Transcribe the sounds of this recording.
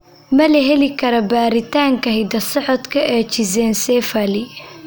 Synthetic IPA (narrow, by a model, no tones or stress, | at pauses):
mɐlɐɦɛlɪkʰɐɾɐbaːɾɪt̪ʰaːŋkʰɐɦɪd̪ɐsɔʕɔd̪kʰɐʔɛːt͡ʃɪsɛːnsɛːfɐlɪ